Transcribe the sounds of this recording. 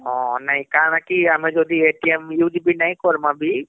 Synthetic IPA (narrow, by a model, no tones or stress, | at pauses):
ɦɔ̃ːnɐɦĩkanakiɦɐmẽd͡ʒoːd̪ʱieːʈiemjuːd͡ʒbʱinɐɦĩkoɾmãbʱi